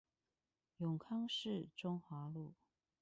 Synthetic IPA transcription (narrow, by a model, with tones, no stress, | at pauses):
jʊ˨˩ŋkʰɑ˥ŋʂɻ̩˥˨ʈ͡ʂʊ˥ŋxwa˨˥˦lu˥˨